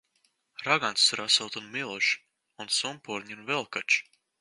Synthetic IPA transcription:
ɾaɡant̪sːuɾasɨlˠt̪unmilˠɔʃ | unsumpɔɾɲunvɛlˠkat͡ʃ

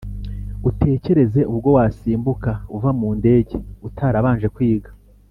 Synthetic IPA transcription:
ute̞ːce̞ɾe̞ze̞ʔuβɡo̞wasiːmbukauvamuːnde̞ːɟe̞utʰaːɾaβaːnʒe̞kwiːɡḁ

